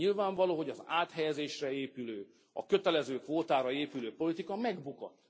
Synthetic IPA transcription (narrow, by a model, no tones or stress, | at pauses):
ilvaːɱvɒloːɦo̞ɟɒzaːt̪ɦɛjɛzeːʃrɛeːpyløː | ɒ̰kø̞t̪ɛlɛzøːkʋoːt̪aːɾɒeːpyløːpo̞lit̪ikɒmɛɡbukɔ̰t̪